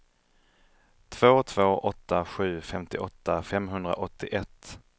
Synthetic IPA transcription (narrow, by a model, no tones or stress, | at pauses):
t̪ʰv̥oːt̪ʰvoːʔɔt̪ːaɧʉ̟ːfɛmt̪ɪʔɔt̪ːafɛmɦɵnd̪ɾa̰ʔɔt̪ʰːɪʔɛt̪ː